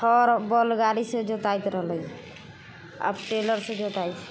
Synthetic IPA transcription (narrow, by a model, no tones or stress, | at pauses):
ɔɾbɔlɡaɽised͡ʒɔt̪ajt̪ɾɔɦləj | a̰pʈelɔɾsed͡ʒot̪ajt̪ʰ